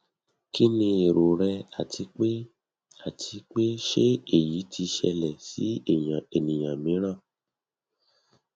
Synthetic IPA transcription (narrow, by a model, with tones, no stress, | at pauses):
ki˦nĩ˧e˨ɾo˨ɾɛ˧a˨tʰi˧k͡pe˦ | a˦˨tʰi˧k͡pe˦ʃe˦e˦˨ji˨˦tʰi˧ʃɛ̰˧lɛ˨sḭ˨˦˨ã˨e˨nĩ˨jã˨mĩ˨˦ɾ̃ã˦˨